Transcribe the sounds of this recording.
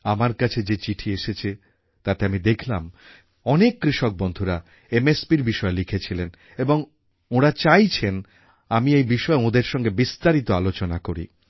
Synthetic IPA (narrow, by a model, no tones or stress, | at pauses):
amaɾkat͡ɕʰed͡ʑet͡ɕiʈʰieʃet͡ɕʰe | t̪at̪eamid̪ekʰlam | ɔnekːɾiʃok̚bond̪ʱuɾa | emespiɾbiʃɔelikʰet͡ɕʰilen | eboŋ | oɾat͡ɕajt͡ɕʰen | amiejbiʃɔeõd̪eɾʃɔŋɡebist̪aɾit̪oalot͡ɕonakoɾḭ